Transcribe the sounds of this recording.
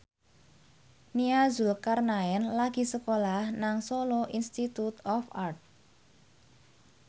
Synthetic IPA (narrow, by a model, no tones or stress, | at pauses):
niazulkarnaɛnlaɡ̥i̤səkolahnaŋsoloʔinst̪it̪ut̪ɔfart̪̚